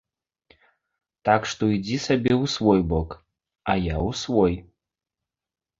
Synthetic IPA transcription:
t̪akʂt̪oid͡zʲisabʲeusvɔjbok | ajausvoj

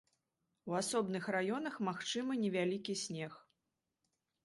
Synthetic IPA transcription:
wasɔbnɨxrajɔnɐxmaxt͡ʂɨmɨnʲɛvʲalʲikʲisʲnʲɛx

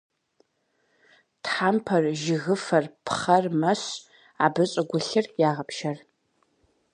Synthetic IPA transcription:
tħaːmpʰɐrʒɪɣɨfɐrpʰχɐrmɐɕ | aːbɨɕʼɐɡʷʊɬɨrjaːʁɐpʃɐr

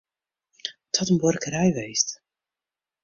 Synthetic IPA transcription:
tɔtənbɔrkəɾɛjʋejst

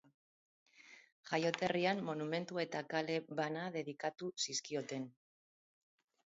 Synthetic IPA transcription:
ʝajo̞t̪e̞riamːo̞nume̞nt̪ue̞t̪akale̞βanaðe̞ð̞ikat̪usiskio̞t̪e̞n

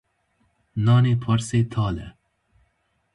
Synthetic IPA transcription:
nɑːnipʰɔɾset̪ʰɑːlɛ̰

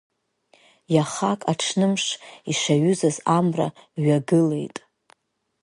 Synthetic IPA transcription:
jaχakʼaʈ͡ʂʰnɨmʂiʂaɥʊzazamra̰ɥaɡɨle̞jtʼ

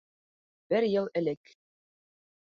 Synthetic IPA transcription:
bɘɾjɤlˠɘ̆lɘk

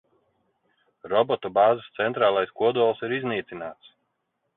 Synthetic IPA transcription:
ɾɔbɔt̪ɔbɑːzast̪sɛnt̪ɾaːlˠajskuɔd̪uɔlˠsiɾizniːt̪sʲinaːt̪s

